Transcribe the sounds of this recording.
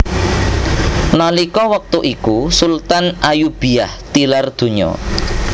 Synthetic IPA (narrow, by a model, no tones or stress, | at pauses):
nalikɔwak̚t̪uʔikusult̪anʔajub̥i̤aht̪ilard̪̥ṳɲɔ̰